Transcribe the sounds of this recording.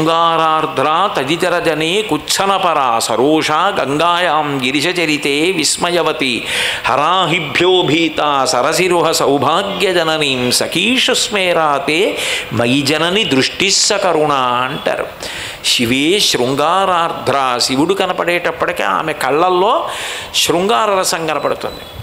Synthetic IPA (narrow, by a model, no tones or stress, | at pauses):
ŋɡaːɾaːɾd̪ʱɾaːt̪ɐd͡ʒit̪ɐɾɐd͡ʒɐneːkutːt͡ʃʰɐnɐpɐɾaːsɐɾoːʂaːɡɐŋɡaːjaːmɡiɾiʃɐt͡ʃɐɾit̪eːʋismɐjɐʋɐt̪ihɐɾaːɦibʱjoːbʱiːt̪aːsɐɾɐsiɾuɦɐsɐwbʱaːɡjɐd͡ʒɐnɐniːmsɐkiːʂɐsmeːɾaːt̪eːmɐjd͡ʒɐnɐnid̪ɾuʂʈisːɐkɐɾuɳaːɳʈɐ̰ɾṵ | ʃiʋeːʃɾuŋɡaːɾaːɾd̪ʱɾaːsiʋiɽukɐnɐpɐɽeːʈɐpːɐɽɐkḛa̰ːmekɐɭːɐlːoːʃɾuŋɡaːɾɐɾɐsɐŋɡɐnɐpɐɽut̪ɐnd̪e